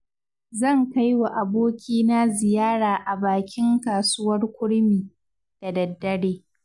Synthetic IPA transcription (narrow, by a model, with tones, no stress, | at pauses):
zɐ˦˨ŋka˦jwa˨ʔa˨boː˦kʲiː˦na˦zɪ˨jaː˦ɽaː˨ʔa˨baː˨kʲɪ˦ŋkaː˨sʊ˦wɐ˦rkʷʊ˦ɽmiː˨ | d̥a˨dɐ˨dːɐ˦ɽeː˦